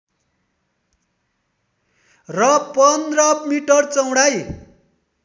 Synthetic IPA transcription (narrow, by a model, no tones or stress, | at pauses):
rʌpʌnd̪rʌmiʈʌrt͡sʌw̃ɽaj